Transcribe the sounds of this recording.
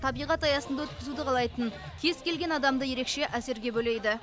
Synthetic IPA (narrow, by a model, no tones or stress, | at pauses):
t̪ʰɑbijʁɑt̪ɑjɑsənd̪ɑwɵt̪̚kʲɪzud̪ɪqʰɑlˠɑjt̪əŋ | kʲʰe̞zkʲe̞lɡʲe̞nɑd̪ɑmd̪əje̞ɾe̞kʃe̞ʔæse̞ɾɡʲe̞bɵle̞jd̪ɪ